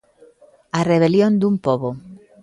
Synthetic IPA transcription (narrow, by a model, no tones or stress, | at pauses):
areβ̞eljond̪umpoβo